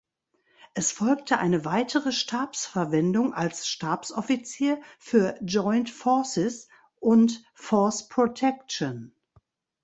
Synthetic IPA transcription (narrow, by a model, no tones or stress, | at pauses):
ʔɛsfɔlk̚tʰəʔa̰ɪnəvaɪtʰəʁəʃtʰaːpsfɛɐvɛndʊŋa̰lsʃtaːpsʔɔfit͡siːɐfyːɐd͡ʒɔʏntfɔɐsɪs | ʔʊnt | fɔɐspʁ̥otʰɛkʃɔn